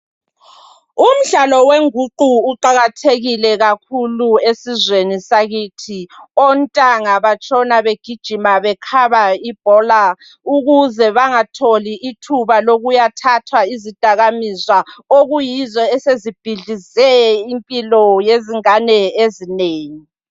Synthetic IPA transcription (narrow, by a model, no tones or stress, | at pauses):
um̩ɮalɔweŋuǃuːǃaɣatʰeɣilɛɣakʰuluesizwenisaɣiːtʰiɔntʼaŋaβat͡ʃʼɔnaβeɡ̥ʱid̥ʒ̥ʱimaβɛkʰaβaib̥ʱɔla | uɣuzɛβaŋatʰoliʔːtʰuβaloɣujatʰatʰwaizid̥ʱaɣamizwaoɣujizɔɛsezib̥ʱiɮizɛimpʼilɔjeziŋanɛezineːŋi